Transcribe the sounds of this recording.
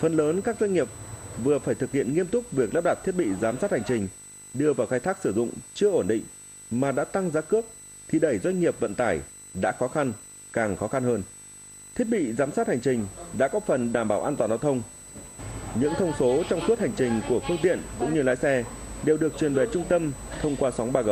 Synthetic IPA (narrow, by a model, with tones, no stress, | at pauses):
fə˨˩nləː˨˦nkaː˦˥k̚zwa˧jŋ̟ŋi˨˩əp̚vɨ˨˩əfaː˧˩jt̪ɨ˨˩k̚hḭ˧˨ənŋi˧əmt̪ʊ˦˥k͡p̚vi˨˩ək̚ləː˦˥p̚ɗa˨˩t̚t̪ʰi˦˥ət̚ɓḭ˧˨zaː˨˦msaː˦˥t̚ha˨˩ŋ̟t͡ɕï˨˩ŋ̟ | ɗɨ˧˩əvaː˨˩wxaː˧jt̪ʰaː˦˥k̚sɨ˧˩zʊ̰˧˨ŋ͡mt͡ɕɨ˧əʔo˧˩nɗḭ̈˧˨ŋ̟ | maː˨˩ɗa̰ː˧˥t̪a˧ŋzaː˨˦kɨ˦˥ək̚ | t̪ʰi˨˩ɗə˧˩jzwa˧jŋ̟ŋi˨˩əp̚və̰˧˨nt̪aː˧˩j | ɗa̰ː˧˥xɔ˨˦xa˧n | kaː˨˩ŋxɔ˨˦xa˧nhəː˧n | t̪ʰi˦˥ət̚ɓḭ˧˨zaː˨˦msaː˦˥t̚ha˨˩ŋ̟t͡ɕï˨˩ŋ̟ɗa̰ː˧˥kɔ˨˦fə˨˩nɗaː˧˩mɓaː˧˩wʔaː˧t̪waː˨˩nzaː˧wt̪ʰə˧wŋ͡m | ɲɨ̰˧˥ŋt̪ʰə˧wŋ͡mso˨˦t͡ɕɔ˧wŋ͡msu˦˥t̚ha˨˩ŋ̟t͡ɕï˨˩ŋ̟ku˧˩əfɨ˧əŋt̪ḭ˧˨ənkʊ̰˧˥ŋ͡mɲɨ˧laː˨˦jsɛ˧ɗe˨˩wɗɨ˨˩ək̚t͡ɕwi˨˩nve˨˩t͡ɕʊ˧ŋ͡mt̪ə˧mt̪ʰə˧wŋ͡mkwaː˧sɔ˨˦wŋ͡mɓaː˧ɣə˨˩w